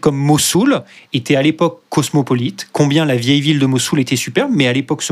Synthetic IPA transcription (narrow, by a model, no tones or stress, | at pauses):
kɔmːɔsulet̪ɛalepɔkːɔsmɔpɔlit̪kɔ̃bjɛ̃lavjɛjvild̪əmɔsulet̪ɛsypɛʁbmɛalepɔks